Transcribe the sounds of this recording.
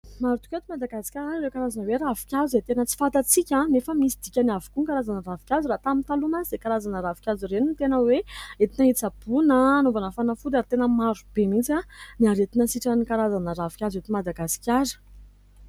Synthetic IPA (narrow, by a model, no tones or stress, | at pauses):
maɾut̪u̥kʲet̪umad̪aɡasi̥kʲaɾaiɾewkaɾazanəweɾavi̥kʲazuzet̪enət͡si̥fat̪at͡sikʲãnefəmisid̪ikʲaniavukuŋkaɾazanəɾavi̥kʲazurat̪amint̪alunaid̪ekaɾazanəɾavikʲazurenint̪enəweet̪inait͡sab̥unəːnovanəfanəfud̪aɾit̪enəmaɾub̥emit͡saniaɾet̪inəsiʈ͡ʂənikaɾazanəɾavi̥kʲazet̪umad̪aɡasi̥kʲaɾə̥